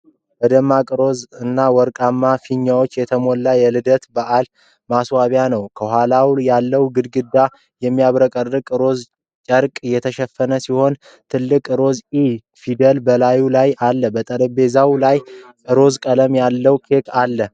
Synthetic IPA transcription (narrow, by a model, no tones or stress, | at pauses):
bəd̪əmːakʼɨɾo̞zɨnːawɔɾkʼamːafiɲːawot͡ʃːjɛt̪ʰəmolːajɛlɨd̪ət̪baʔal | maswaβjanəwkʰəhʷalawjalːəwɡɨd̪ɡɨd̪ːa | jɛmːijaβɾəkʼərːɨkʼɾo̞z | t͡ʃʼəɾkʼɨjɛt̪ʰəʃɛfːənəsiho̞n | t̪ʰɨlːɨkʼɾo̞zi | fid̪əlbəlajulajalːəbət̪ʼələbe̞zawlajʼ | ɨɾo̞zkʼələmjalːəwkʰe̞kʰalːə